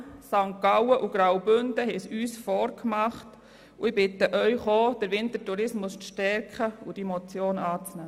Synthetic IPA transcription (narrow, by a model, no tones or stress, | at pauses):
sɑŋkːɑwəʔuɡ̥ɾawbʏnd̥əɦɛsyːsfɔːɾkʰmɑχt | uɪbɪtəʔœʏχoːd̥əɾʋɪntətuɾɪsmʊsʃtɛɾkχəud̥imot͡sjoːnɑːt͡snæː